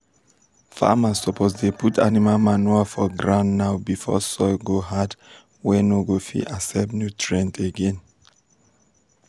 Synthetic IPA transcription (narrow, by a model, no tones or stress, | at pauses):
fa̰masːɔpʰozdeputʰa̰nimalmanualfɔɡɹãnːaʊbifɔ̰sɔɡoɦad | wɛnoɡofḭʔasɛbnjutʰɹɛ̃nteɡɛ̃n